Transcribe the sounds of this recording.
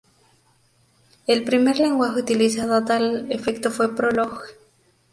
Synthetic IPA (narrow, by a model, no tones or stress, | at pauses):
elpɾime̞ɾle̞ŋɡwaxeut̪ilisaðoat̪alefe̞kt̪ofwe̞pɾoloxe